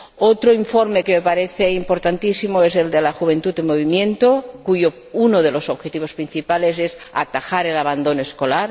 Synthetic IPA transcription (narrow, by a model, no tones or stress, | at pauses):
ot̪ɾoiɱfoɾmekeme̞paɾeθeimpoɾt̪ant̪isimoeze̞ld̪elaxuβ̞e̞nt̪ut̪emoβimjẽ̞nt̪okujo | unoð̞elo̞soβxet̪iβ̞o̞spɾin̟θipale̞sesa̰t̪axaɾe̞laβand̪o̞noesko̞laɾ